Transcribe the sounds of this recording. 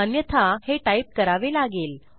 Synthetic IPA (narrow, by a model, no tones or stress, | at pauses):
ənjət̪ʰaheʈaip̚kəɾaʋelaɡeːl